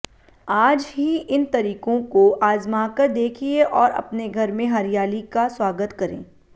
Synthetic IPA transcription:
aːd͡ʒɦiʔɪnt̪ɐɾiːqõkoʔaːzmaːkəɾd̪eːkʰieʔɔːɾɐ̰pneɡʱɐɾmẽɦɐɾijaːlikaswaːɡət̪kɐɾḛ̃ː

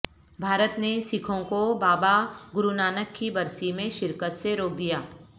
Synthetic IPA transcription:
bʱaːɾət̪nesɪkʰõkobaːbaɡʊɾunaːnəkːibɐɾsimẽʃɪɾkət̪seɾoːk̚d̪ijaː

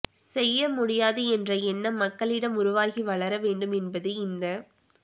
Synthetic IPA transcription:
sɛjːɐmʊɽɪjaːðɯɛndrɐɛnːɐmɐkːɐɭɪɽɐmʊɾʊʋaːɣiʋɐɭɐɾɐʋeːɳɖɯmɛnbɐðɯɪnd̪ɐ

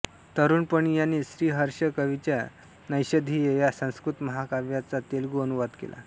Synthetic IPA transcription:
t̪əɾuːnpəɳjanːiːɕɾiːɦəɾɕəkəʋit͡ɕja | nəjɕəd̪ʱiːjejasə̃w̃skɾut̪məɦakaʋjat͡sat̪elɡuənuʋad̪kḛla̰

